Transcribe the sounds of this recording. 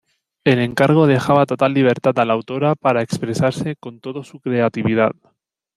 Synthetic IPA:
e̞le̞ŋkaɾɣ̞o̞ð̞e̞xaβ̞at̪o̞t̪alːiβ̞e̞ɾt̪at̪alawt̪o̞ɾapaɾaekspɾe̞saɾseko̞nt̪o̞ðosukɾe̞at̪iβið̞að

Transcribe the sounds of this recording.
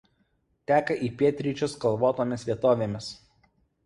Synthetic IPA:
t̪ʲæːkɐʔiːpʲiɛt̪ʲɾʲiˑt͡ʃʲoskɐlˠʋoːt̪oːmʲɪsʋʲiɛt̪oːʋʲeːmʲɪs

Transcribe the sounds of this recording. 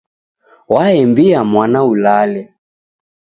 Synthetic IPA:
waɛmbiamwanaulalɛ

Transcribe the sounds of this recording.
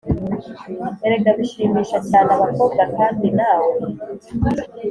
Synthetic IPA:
eɾeɡaβiʃiːmiːʃat͡ʃaːnaβako̞ːβ̚ɡakaːndinaːwe

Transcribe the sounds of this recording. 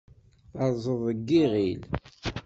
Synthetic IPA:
ɑˤzˤəðˤəɡːiʁil

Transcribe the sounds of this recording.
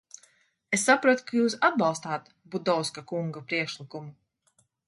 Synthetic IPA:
esːapɾuɔt̪u̥kajuːsad̪̚bɑlˠst̪aːt̪ | bud̪ɔwskakuŋɡapɾiɛkʃlˠikumu

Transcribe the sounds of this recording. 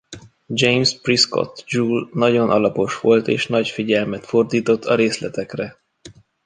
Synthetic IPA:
d͡ʒejmsprisko̰t̪d͡ʒuːlnɒɟo̞nʔɒlɒpo̞ʃʋo̞lt̪ḛːʃnɒcfiɟɛlmɛt̪fo̞rd̪iːt̪o̞t̪ʰːɒɾeːslɛt̪ɛkrɛ

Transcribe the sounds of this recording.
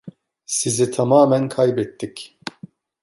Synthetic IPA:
sizit̪ʰamaːmænkʰajbɛt̪ːik

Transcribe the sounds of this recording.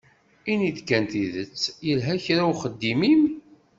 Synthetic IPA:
inid̪kːænt̪iðət͡sːjəlɦæçɾawχəd̪ːimim

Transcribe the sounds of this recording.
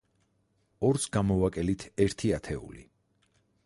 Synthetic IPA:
ɔɾsɡamɔvakʼɛlit̪ʰɛɾt̪ʰiat̪ʰɛṵlḭ

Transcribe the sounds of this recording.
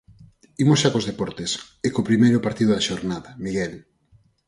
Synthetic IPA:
imosʃakozðepɔɾt̪es | ekopɾimejɾʊpaɾt̪iðʊðaʃoɾnaðɐmiɣɛl

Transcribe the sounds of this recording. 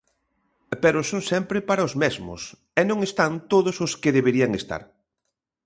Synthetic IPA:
pɛɾʊsoŋsɛmpɾɪpaɾɐʊzmɛzmʊ̰s | ɛnõŋest̪ant̪oðʊsoskɪðeβeɾiɐŋest̪a̰ɾ

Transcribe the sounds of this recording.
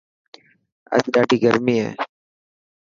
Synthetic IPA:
ə̰sd̪aːʈiːɡəɾmiːɛ̰ː

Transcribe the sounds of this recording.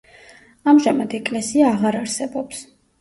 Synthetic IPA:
amʒamad̪ɛkʼlɛsiaːʁaɾaɾsɛbɔps

